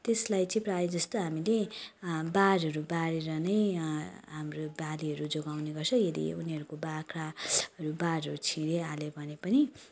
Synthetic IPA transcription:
t̪eslajt͡sʌ̃ĩprajid͡zʌst̪oɦamile | baɾɦʌɾubaɾeɾʌnʌjɦamrobaliɦʌɾud͡zoɡawneɡʌrt͡sʰʌjed̪ḭuniɦʌɾukobakʰɾaʌɾubaɾɦʌɾut͡sʰiɾealebʱʌnepʌni

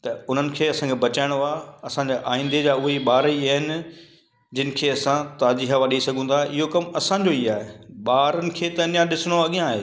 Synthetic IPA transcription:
t̪ɐʊn̤ənɪ̆kʰeːɐsãkʰebɐt͡ɕaːɪ̃ɽ̃oaːɐsãːɲd͡ʑaːʔaːĩːn̆d̪ed͡ʑaːʊɦeɓaːɾəiaːɦɪnɪ | d͡ʑɪnɪ̆kʰeːɐsãt̪aːd͡ʑiːɦaʋaːɗisɐɡʱũːnd̪aʔɪɦokɐmɐsãɲd͡ʑoiaːɦeɓaːɾənɪ̆kʰeːt̪ɐnjãɗɪsɪɽ̃oɐɠijãːɦeː

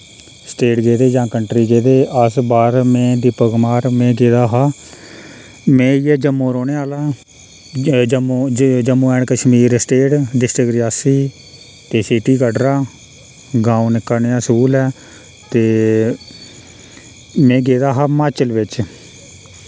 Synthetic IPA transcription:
sʈeːʈɡeːd̪eːd͡ʒãːkəɳʈɾiːɡeːd̪eːəsbaːɾmɛ̃ːd̪ɪpəɡmaːɾmɛ̃ːɡeːd̪aːɦaː | mɛ̃ːijɛːd͡ʒəmːõːɾoːɳeːaːlaː | d͡ʒmːd͡ʒəmːũːɛːɳkəʃmiːɾsʈeːʈɖɪsʈɾɪkɾɪjaːsiː | t̪eːsiʈiːkəɖɾaː | ɡãːũːnɪkːəneãːsuːlɛː | t̪eː | mɛ̃ːɡeːd̪aːɦaːmaːt͡ʃəlʋɪt͡ʃ

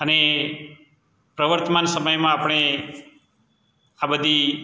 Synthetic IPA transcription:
əne | pɾəʋəɾt̪əmansəməjmãapɽ̃e | abəd̪ʱi

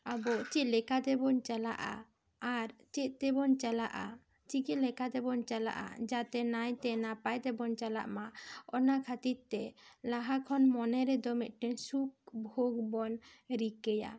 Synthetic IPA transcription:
abɔt͡ʃit̪lɛkad̪ɛbɔnt͡ʃala̰ʔa̰ː | ɾt͡ʃɛt̪̚t̪ɛbɔnt͡ʃala̰ʔa̰ | t͡ʃikilɛkat̪ɛbɔnt͡ʃala̰ʔa̰d͡ʒat̪ɛnajt̪ɛnapajt̪ɛbɔnt͡ʃala̰ʔmaɔnakʰat̪iɾt̪ːɛlaɦakʰɔnmɔnɛɾɛd̪ɔmɛʔ̪̚ˀʈɛɲsuk̚bʱoɡbɔnɾikɛja̰

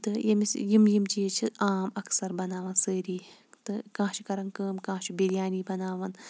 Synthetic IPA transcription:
t̪ɨjɐmisjimjimt͡ʃiet͡ʃʰiaːmɐksɐɾbɐnaːʋɐnsəːɾiːt̪ɨkãːt͡ʃʰikɐɾɐnkəːmkãːt͡ʃʰibiljaːniːbɐnaːʋɐn

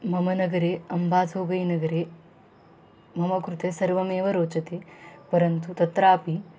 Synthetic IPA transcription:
mɐmɐnɐɡɐɾeːɐmbʱaːt̪ʰoːɡɐjnɐɡɐɾeː | mɐmɐkɾut̪esɐɾʋɐmeːʋɐɾoːt͡ʃɐt̪eːpɐɾɐnt̪ut̪ɐt̪ɾaːpi

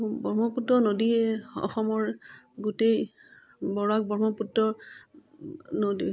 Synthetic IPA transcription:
bɔɹmɔputɹɔnodiɛɔ̰xɔmɔɹɡutej | bɔɹak̚bɔɹmɔputɹɔ | nodi

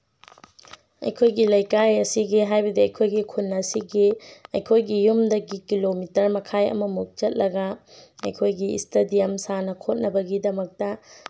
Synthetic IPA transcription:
ɐ̰jkʰojɡilɐjkajɐsiɡiɦajbɐdiɐjkʰojɡikʰunːɐsiɡiɐjkʰojɡijumdɐɡikilomitɐɾmɐkʰajɐ̰mɐmuk̚t͡ʃɐt̚lɐɡɐɐjkʰojɡiḭstɐdijɐmsanɐkʰot̚nɐbɐɡidɐmɐk̚tɐ

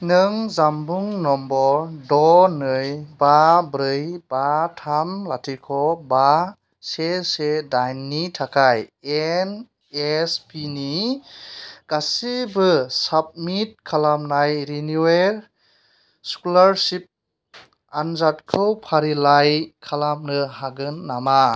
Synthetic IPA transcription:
nɯŋzambuŋnɔmbɔdɔnɯjbabɾɯjb̥atʰamlatʰikʰɔba | sesedajnːitʰakʰajen | espʰini | ɡ̥asibɯsab̚mit̚kʰalamnajɾinuweɾ | skulaɾsip̚ | anzatkʰɯwpʰaɾilajkʰalamnɯɦaɡɯnːama

